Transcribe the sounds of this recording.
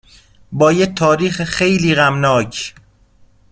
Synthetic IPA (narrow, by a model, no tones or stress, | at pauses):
bɒːjet̪ʰːɒːɾiːxexejliːɣæmnɒːcʰ